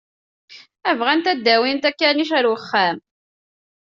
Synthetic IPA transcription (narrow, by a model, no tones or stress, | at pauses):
ævʁænt̪æd̪ːæwint̪ækːæɾniʃæɾwəχːæm